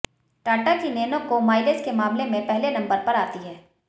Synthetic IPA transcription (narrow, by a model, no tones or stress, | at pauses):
ʈaːʈakineːnõkomaːɪleskemaːmlemẽpɛɦlenɐ̃mbəɾpɐɾaːt̪iɦɛː